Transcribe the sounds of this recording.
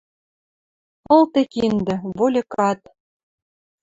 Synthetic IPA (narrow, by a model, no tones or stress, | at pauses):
ɤ̆lˠt̪ekind̪ɘ̆βolʲĕkɑt̪̚